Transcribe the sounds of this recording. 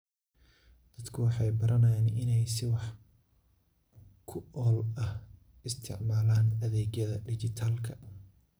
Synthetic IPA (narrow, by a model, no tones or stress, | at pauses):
d̪̥ɐd̪kʰʊwɑħɑjbɐɾɐnɐjaːnɪnɛjsɪwɑħ | kʰʊɔːlɐh | ɪst̪ʰɪ̰ʕmaːlaːnɐðɛːɡjɐðɐɖɪt͡ʃɪt̪ʰaːlkʰɐ